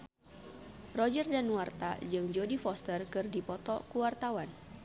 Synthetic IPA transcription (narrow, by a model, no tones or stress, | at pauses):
rɔd͡ʒərdanwart̪a̰d͡ʒɨŋd͡ʒodifɔst̪ərkɨrdipɔt̪ɔkuwart̪awan